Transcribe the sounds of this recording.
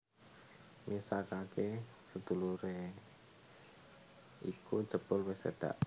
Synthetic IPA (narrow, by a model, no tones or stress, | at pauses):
mʔisakake | səd̪̥ṳluɾe | ikud̥ʒ̥ə̤b̥ʊlwɛsḛd̪̥a̰ʔ